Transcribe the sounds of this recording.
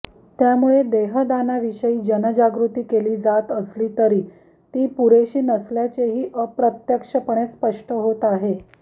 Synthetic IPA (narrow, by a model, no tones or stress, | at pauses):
t̪jamuɭed̪eɦəd̪anaʋiʂəiːd͡ʑənəd͡ʑaɡɾut̪iːkeliːd͡zat̪əsliːt̪əɾiː | t̪iːpuɾeɕiːnəsljat͡ɕeɦiːʔəpɾət̪jəkʂəpəɳ̃espəʂʈʰəɦot̪aɦe